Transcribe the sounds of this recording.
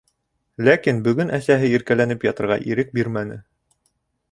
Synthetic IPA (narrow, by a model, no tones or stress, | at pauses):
lækinbɵ̆ɡɵnʔæsæɦɘiɾkælænɘpjɑt̪ɤ̆ɾʁɑ̰ʔiɾɘk̚biɾmænɘ̰